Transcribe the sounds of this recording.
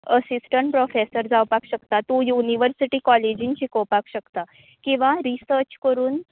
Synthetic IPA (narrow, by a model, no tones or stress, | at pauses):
əsisʈəɳʈpɾofesəɾd͡zawpakɕəkt̪at̪ũjuniʋəɾsiʈiːkɔled͡ʑĩɲt͡ɕikɔwpakɕəkt̪a | kĩʋaɾisəɾt͡ɕkəɾuːn